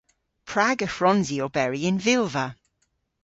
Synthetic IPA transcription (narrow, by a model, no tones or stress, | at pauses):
pʰɹ̥aɡəfɹɔnziobɛɹiɪ̃nvɪlˠvə